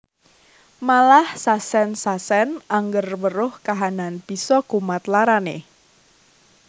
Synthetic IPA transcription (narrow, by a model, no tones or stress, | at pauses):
malahsasɛnsasɛnʔaŋɡərwəɾʊhkaɦananb̥i̤sɔkumat̪laɾanḛ